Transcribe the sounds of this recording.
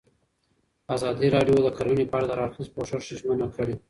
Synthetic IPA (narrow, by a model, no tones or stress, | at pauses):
azɑd̪iɾɑɖjod̪əkaɾunepɑɽad̪əɾɑɾxispoʂaɾʃiʒmanakʰəɽe